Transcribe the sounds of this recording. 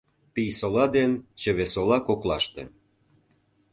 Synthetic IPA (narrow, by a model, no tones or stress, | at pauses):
pijsolɑd̪ent͡ɕə̆βesolɑkoklɑ̰ʃt̪ḛ